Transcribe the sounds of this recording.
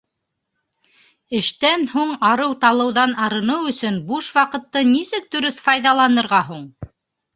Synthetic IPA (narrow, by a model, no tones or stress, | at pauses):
ɘ̆ʃt̪ænhuɴɑɾɤwt̪ɑlˠɤ̆wðɑnɑɾɤ̆nɤwɵ̆sɵnbuʃwɑqɤ̆t̪ːɤnisɘk̚d̪ɵ̆ɾɵθfɑjðɑlˠɑnɤ̆ɾʁɑɦuɴ